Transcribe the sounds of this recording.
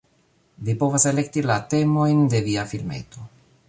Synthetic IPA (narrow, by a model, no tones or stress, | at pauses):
vipovaselekt̪ilat̪emojnd̪eviafilmḛːt̪u